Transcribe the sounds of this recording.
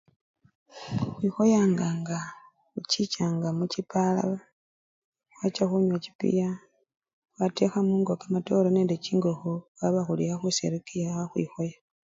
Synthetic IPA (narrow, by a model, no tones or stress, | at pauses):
xwixo̞jaŋɡaŋɡa | ucit͡ʃaŋɡamucipala̰βa | xwat͡ʃaxuɲwaci̥pḭja | watexamuːŋɡokamato̞loneːndeciŋɡoxowaβaxulijaxusḛɾikijaxaxwḭxo̞ja